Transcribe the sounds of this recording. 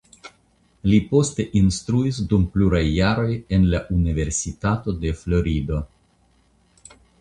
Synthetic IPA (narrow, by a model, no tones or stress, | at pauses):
lipo̞st̪e̞ʔinst̪ɾuisdumpluɾajːaɾo̞je̞nlaʔunive̞ɾsitato̞de̞flo̞ɾid̪o̞